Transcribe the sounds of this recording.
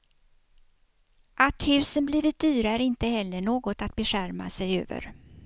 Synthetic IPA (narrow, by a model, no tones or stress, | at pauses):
ʔat̪hʉ̟ːsənbliːvɪt̪̚d̪yːɾaæɾɪnt̪əhɛlːəɳoːɡɔt̪at̪̚bɛɧæɾma̰sɛjø̰ːvə̰ɾ